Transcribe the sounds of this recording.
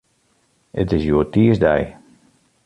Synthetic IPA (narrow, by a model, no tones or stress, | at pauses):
ə̰tɪsjoːtiəsdɛj